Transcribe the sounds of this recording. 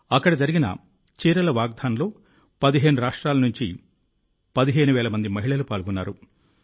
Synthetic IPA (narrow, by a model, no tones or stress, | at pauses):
ɐkːɐɽɐd͡ʒɐɾiɡinɐ̰ | t͡ʃiːɾɐlɐʋaːɡ̚d̪ʱaːnlo̞ː | pɐd̪iɦe̞ːnuɾaːʂʈɾaːlɐnuɲt͡ʃḭ | pɐd̪iɦe̞ːnuʋɛːlɐmɐnd̪imɐɦiɭɐlupaːɭɡunːaːɾu